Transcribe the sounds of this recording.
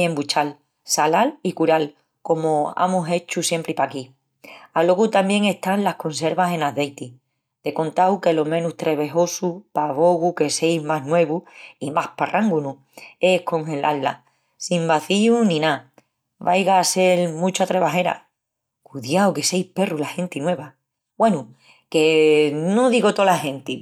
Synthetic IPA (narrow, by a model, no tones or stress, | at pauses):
e̞mbut͡ʃal | salalikuɾal | ko̞moa̰muse̞t͡ʃusje̞mpɾipaki | alo̞ɣut̪ambje̞ŋe̞ht̪anlahko̞nse̞ɾβase̞naðe̞jt̪i | d̪̥e̞kõ̞nt̪awke̞lo̞mẽ̞nuht̪ɾe̞βe̞ɦo̞supaβo̞ɣuke̞se̞jzmaɦnwe̞βuimahparʔaŋɡunu | e̞hko̞ŋhe̞lʔalːa̰ | simbaθiunĩna | βajɣaːse̞lmũt͡ʃat̪ɾeβaɦe̞ɾa̰ | kuðjawke̞se̞jhpe̞rulahe̞nt̪inwe̞βa | bwe̞nu | ke̞noðiɣo̞t̪o̞lahe̞nt̪i